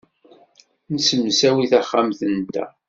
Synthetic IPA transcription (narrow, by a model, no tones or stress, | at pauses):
nəsəmːəsæwiθæχːamθənt̪æ̰